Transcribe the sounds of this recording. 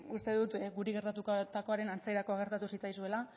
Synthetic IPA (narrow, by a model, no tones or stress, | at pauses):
ust̪e̞ðut̪ɡuɾeɣe̞ɾt̪at̪ukot̪ako̞aɾe̞nant͡seɾako̞aɣe̞ɾt̪at̪usit͡sajsue̞la